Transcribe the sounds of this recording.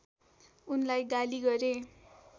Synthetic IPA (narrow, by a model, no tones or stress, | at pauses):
unlajɡaliɡʌɾe